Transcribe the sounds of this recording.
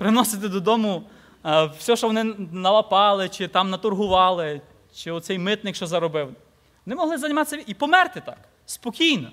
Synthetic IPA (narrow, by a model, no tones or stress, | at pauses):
pɾɪnɔsɪt̪̬ɪd̪ɔd̪ɔmʊ | w̥sʲɔʃɔʋɔnɪnɐʋɐpɑlˠɪt͡ʃɪt̪ɑmnɐt̪ʊrɦʊʋɑlˠɪ | t͡ʃɪɔt̪sɛjmɪt̪nɪkʃɔzɐɾɔbɪw | ʋɔnɪmɔɦlˠɪzɐnʲimɑt̪ɪsʲːɐipɔmɛrt̪ɪt̪ɑk | spɔkʲijnɔ